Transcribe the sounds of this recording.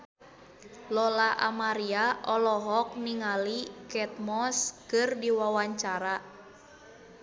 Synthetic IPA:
lɔlaʔa̰maɾiaʔɔlɔɦɔk̚niŋalikɛt̪̚mɔskɨrdiwawaɲt͡ʃaɾa

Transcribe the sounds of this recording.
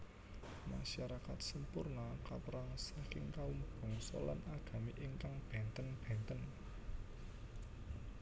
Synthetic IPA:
maʃaɾakat̪̚səmpurnakapɾaŋsakɪŋkawumb̥ɔ̤ŋsɔ̰la̰naɡ̥a̤miʔɪŋkaŋb̥ɛ̤nt̪ənb̥ɛ̤nt̪ən

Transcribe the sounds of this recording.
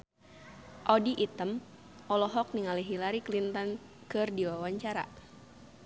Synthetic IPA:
ʔɔdiʔit̪əm | ʔɔlɔɦɔk̚niŋaliɦilaɾiklint̪ən | kɨrdiwawaɲt͡ʃaɾa̰

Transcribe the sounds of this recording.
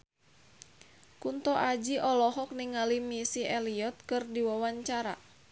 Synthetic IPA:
kunt̪ɔʔad͡ʒiʔɔlɔɦɔk̚niŋalimisiʔɛliɔt̪̚kɨrdiwawaɲt͡ʃaɾa̰

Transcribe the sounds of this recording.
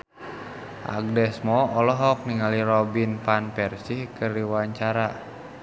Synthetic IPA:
ʔa̰ɡ̚dɛsmɔɔlɔɦɔk̚niŋaliɾɔbinpanpɛrsihkərdiwaɲt͡ʃaɾa

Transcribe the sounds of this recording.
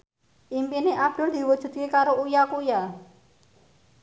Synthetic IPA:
ʔimpineʔab̚d̪̥ʊ̤ld̪̥i̤wud̥ʒ̥ṳt̪̚kekaɾoujakuja

